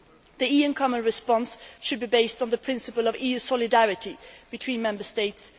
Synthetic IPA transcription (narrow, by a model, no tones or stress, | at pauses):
ðiiɨ̃nkʰɑmə̃nɹɨspɑ̃nsʃɨd̚bibeɪstn̩ðəpʰɹ̥ɪ̃nsɨpəlˠʌvijʉsɔlɪdæɹɨtib̥ɨtʰw̥ĩnmɛ̃mbə˞steɪts